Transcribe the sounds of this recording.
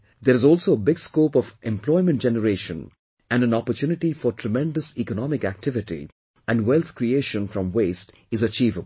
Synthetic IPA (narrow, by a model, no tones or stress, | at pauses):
d̪eɾɪzɔːlsoːəbɪɡskoːpɔfɛ̃mplɔɪmə̃nʈ̚d͡ʒɛnəɾeːʃə̰̃n | æ̃nɖæ̃nɔpəɾtjuːnɪʈifɔɾʈʰɾəmɛ̃nɖəsikənɔmɪkæk̚ʈɪʋɪʈḭ | æ̃nɖwɛlt̪ʰkɾieːʃə̃nfɾɔ̃mweːsʈ | ɪzət͡ʃiːvəb̩